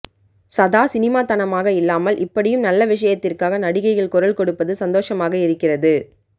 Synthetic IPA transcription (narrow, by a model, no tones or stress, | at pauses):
sɐðaːsɪnɪmaːt̪ɐnɐmaːɣɐɪlːaːmɐlʔɪpːɐɽɪjɯmnɐlːɐʋɪʂɐjɐt̪ːɪrkaːɣɐnɐɽɪɣɐɪɣɪɭkʊɾɐlkɔɽɯpːɐðɯsɐnd̪oːʂɐmaːɣɐɪɾɯkːɪrɐðɯ